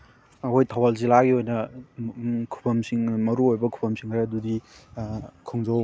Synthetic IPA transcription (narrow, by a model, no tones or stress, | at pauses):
ɐkʰojtʰawalzilaɡiojnɐ | kʰu̥pʰɐmsiŋmɐɾuojbɐkʰu̥pʰɐmsiŋkʰɾeɐdudi | kʰoŋzo